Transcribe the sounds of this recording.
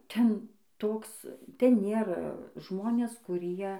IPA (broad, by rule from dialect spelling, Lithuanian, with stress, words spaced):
ˈtʲɛn ˈtoːks ˈtʲɛn ˈnʲeːrɐ ˈʒmoːnʲeːs kʊˈrʲiɛ